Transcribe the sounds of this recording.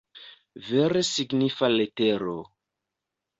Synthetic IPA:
veɾesiɡnifaleteɾo

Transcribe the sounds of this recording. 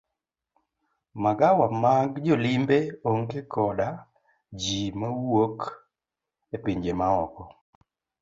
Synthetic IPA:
maɡawamaɡd͡ʒɔlimbeoŋkekʰɔda | d͡ʒimawok | epiɲd͡ʒemaɔkɔ

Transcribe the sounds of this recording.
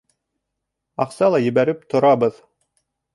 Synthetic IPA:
ɑqsɑlˠɑjɘ̆βæɾɘp̚t̪ʰŏɾɑbɤð

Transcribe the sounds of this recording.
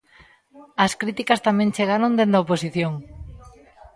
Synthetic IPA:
ɐskɾit̪ikɐst̪amẽnt͡ʃeɣaɾõnd̪end̪ɐoposiθjoŋ

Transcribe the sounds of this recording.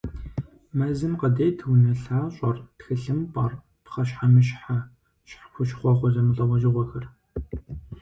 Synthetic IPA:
mɐzɨmqɐdeːtʰɨwnɨɬaːɕʼɔrtxɨɬɨmpʼɐr | pχɐʃħamɨɕħa | ɕħxʷʊʃχʷɔχʷɔzɐmɨɮʼɐwɐʒɪʁʷɔxɐr

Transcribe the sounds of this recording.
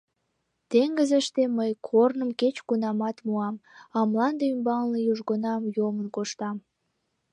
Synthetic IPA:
t̪eŋɡəzə̆ʃt̪eməjkʰornəmket͡ɕkunɑmɑt̪muɑmɑmlɑnd̪eymbɑŋlijuʒɡonɑmjomənkoʃt̪ɑm

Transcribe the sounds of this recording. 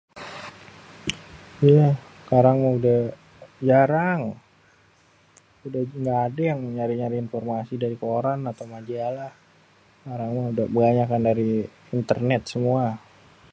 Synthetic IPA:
ja | kaɾaŋmaudah | d͡ʒaɾaŋ | udaŋɡaːdajaŋməɲaɾiɲaɾiinfɔrmasidaɾikoɾanat̪awmad͡ʒalah | kaɾaŋmaudabəɡaɲakandaɾi | int̪ərnɛt̪̚səmua

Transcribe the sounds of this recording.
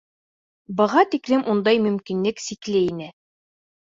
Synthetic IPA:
bɤ̆ʁɑt̪iklɘmʔund̪ɑjmɵ̆mkinlɘksiklɘinɘ

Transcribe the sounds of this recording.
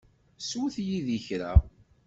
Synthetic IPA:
suθjiðiçɾa

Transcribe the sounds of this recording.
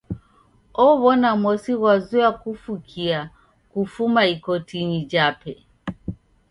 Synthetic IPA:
ɔβɔnamɔsiɣwazuakufukʰia | kufumaikɔtiɲid͡ʒapɛ

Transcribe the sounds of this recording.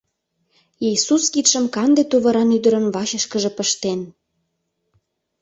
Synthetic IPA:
isuskit̪ʃə̆mkɑnd̪et̪uβɤ̆ɾɑnyd̪ə̆ɾə̆nβɑɕə̆ʃkəʒĕpəʃt̪en

